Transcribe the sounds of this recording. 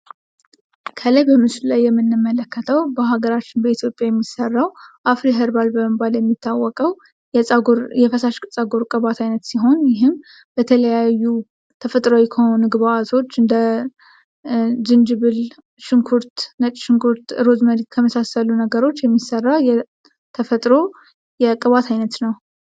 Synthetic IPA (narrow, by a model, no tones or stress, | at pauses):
kʰələjbəmɨsllajːɛmːɨnːɨmːələkːət̪ʰəwbəɦaɡəɾat͡ʃːɪnbəit̪ʰjo̞pʼjajɛmːisərːawʔafɾiɦɨɾbalbəbaljɛmːit̪ʰːawːɔkʼəw | jɛsʼɡoɾjɛfəsaʃkʼɨt͡sʼːaɡoɾkʼəβat̪ʰajnət̪siɦo̞njɪɦɨm | bət̪ʰələjajːu | t̪ʰəfət̪ʼɾowikʰəonɨɡβaat̪ʰo̞t͡ʃːɨnd̪ə | d͡ʒɨnd͡ʒɨβɨl | ʃɨŋkʰuɾt̪nət͡ʃʼʃɨŋkʰuɾt̪ɨɾo̞zməɾiɡkʰəməsasəlunəɡəɾo̞t͡ʃːjɛmːisːərːajɛ | t̪ʰəfət̪ʼɾo̞ | jɛkʼɨβat̪ʰajnət̪nəw